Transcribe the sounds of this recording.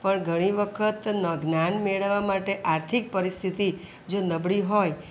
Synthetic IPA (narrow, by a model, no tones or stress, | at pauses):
pəɳɡʱəɽ̃iʋəkʰət̪nəɡnanmeɭəʋamaʈeʔaɾt̪ʰik̚pəɾist̪ʰit̪i | d͡ʒonəbɭiɦoj